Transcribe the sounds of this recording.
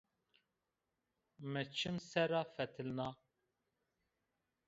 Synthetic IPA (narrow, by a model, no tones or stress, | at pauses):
mət͡ʃʰɨmsɛɾɑfɛt̪ʰɨlnɑ